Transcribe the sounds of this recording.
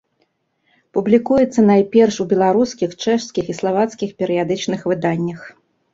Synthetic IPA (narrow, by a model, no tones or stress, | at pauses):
publʲikujɛt̪sːɐnajpʲɛrʂubʲɛlˠaɾuskʲixt͡ʂɛʂsʲkʲixislˠavat̪skʲixpʲɛɾɨjad̪ɨt͡ʂnɨxvɨd̪anʲːɐx